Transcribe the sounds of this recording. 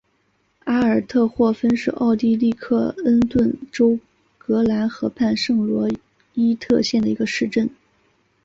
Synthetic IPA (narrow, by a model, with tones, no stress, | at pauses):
a˥ə˞˨˩t̪ʰɤ˥˧xwɔ˥˩fə˥nʂɻ̩˥˧ʔɑ˥˧ʊt̪i˥˧li˥˧kʰɤ˥˩ə˥nt̪wə˥˩nʈ͡ʂo˥ʊ | kɤ˧˥la˧˥nxɤ˧˥pʰa˥˧nʂɤ˥˩ŋlwɔ˧˥ | i˥t̪ʰɤ̰˥˧ɕjɛ˥˩nd̪ə˩i˧˥ɡə˧ʂɻ̩˥˧ʈ͡ʂə˥˩n